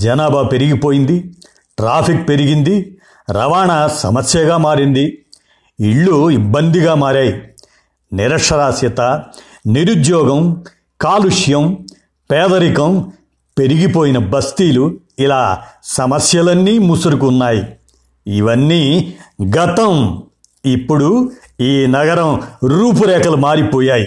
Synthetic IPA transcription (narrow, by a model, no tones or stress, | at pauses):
d͡ʒɐnaːbʱape̞ɾiɡipo̞ːjind̪i | ʈɾaːpʰik̚pe̞ɾiɡind̪i | ɾɐʋaːɳɐsɐ̰mɐsjɐɡaːmaːɾind̪i | iɭːuibːɐnd̪iɡaːmaːɾaːji | niɾɐʂɐɾaːsjɐt̪ɐ | niɾud̪jɔːɡɐm | kaːluʂjɐm | pɛːd̪ɐɾikɐm | pe̞ɾiɡipoːjinɐbɐst̪iːlu | ilaːsɐmɐsjɐlɐnːiːmusɐɾukːnːaːji | iʋɐnːiɡɐt̪ɐm | ipːuɽu | iːnɐɡɐɾɐ̃mɾuːp̬uɾɛːkɐlɐmaːɾipɔːjaːji